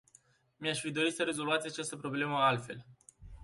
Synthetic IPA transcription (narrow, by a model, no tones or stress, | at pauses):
miaʃfid̪o̞ɾit̪səɾe̞zo̞luat̪sʲat͡ʃast̪əpɾo̞ble̞məalt̪fe̞l